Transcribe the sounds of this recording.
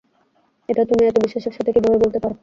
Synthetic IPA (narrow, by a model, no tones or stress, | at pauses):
eʈat̪umiɛt̪obiʃaʃokʃat̪ʰekibʱabebolt̪epaɾ